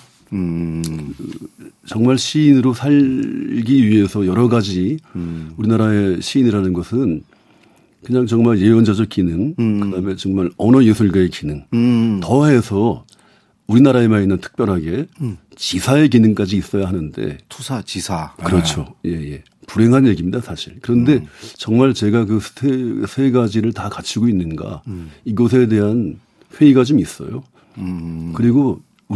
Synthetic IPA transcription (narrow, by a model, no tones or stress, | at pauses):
t͡ɕʌŋmaɭɕʰiːnɯɾosʰaʎɡiɥiɦe̞sʰʌjʌɾʌɡad͡ʑi | uɾinaɾae̞ɕʰiːniɾanɯnɡʌsʰɯn | kɯɲaŋt͡ɕʌŋmaɭje̞jʌnd͡ʑad͡ʑʌk͈inɯŋkɯdaɯme̞t͡ɕʌŋmaɭʌnʌjesʰuɭɡaekinɯŋtʌɦe̞sʰʌ | uɾinaɾae̞mainːɯntʰɯ̥k̚p͈jʌɾɦaɡe̞ | t͡ɕisʰae̞k̬inɯŋk͈ad͡ʑiːs͈ʌjaɦanɯnde̞̰tʰusʰat͡ɕisʰakɯɾʌt͡ɕʰoje̞je̞ | puɾe̞ŋɦanje̞ɡimɲidasʰaɕʰiɭkɯɾʌnde̞t͡ɕʌŋmaɭt͡ɕe̞ɡakɯsʰtʰesʰeɡad͡ʑiɾɯɭtakat͡ɕʰiɡoinːɯnɡa̰iɡʌs̬ʰe̞de̞ɦan | ɸwe̞iɡat͡ɕomis͈ʌ̰jo̰ | kɯɾiɡo